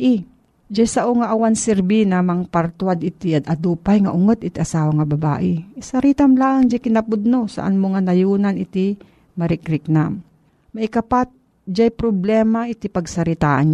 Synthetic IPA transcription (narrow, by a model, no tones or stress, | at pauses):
ʔɪ | d͡ʒajsɐʔoŋaʔawansɛɾbinɐmaŋpaɾt̪wad̪ɪt̪ɪʔad̪ɐd̪uːpajŋɐʔʊŋot̪ʔɪt̪iʔɐsaːwaŋɐbɐba̰ːʔɪsɐɾit̪amlaːaŋd͡ʒajkɪnɐpʊd̪̚nosa̰ʔa̰nmoŋanɐjuːnanɪt̪ɪ | mɐɾɪkɾɪk̚nam | mɐʔɪkɐpat̪̚ | d͡ʒajpɾoblɛːmaʔɪt̪ipɐɡsɐɾɪt̪aːʔan